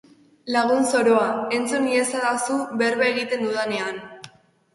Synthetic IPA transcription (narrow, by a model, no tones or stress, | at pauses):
laɣ̞unso̞ɾo̞ae̞nt͡suniesaðasuβe̞ɾβaeɣit̪e̞nd̪uðane̞an